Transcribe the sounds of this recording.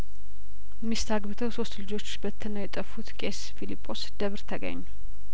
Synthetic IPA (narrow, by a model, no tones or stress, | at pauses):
mist̪aɡbɨt̪ʰəwso̞st̪lɨd͡ʒo̞t͡ʃːbət̪ʰːɨnːəwjɛt̪ʼəfut̪kʼe̞sfilipʰʼːo̞sd̪̥əβɾt̪ʰəɡə̰ɲːu